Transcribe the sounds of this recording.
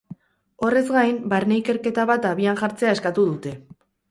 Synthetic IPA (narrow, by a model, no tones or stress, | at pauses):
o̞re̞zɡajmbaɾne̞ike̞ɾke̞t̪aβat̪aβianʝaɾt͡se̞ae̞skat̪uðut̪e̞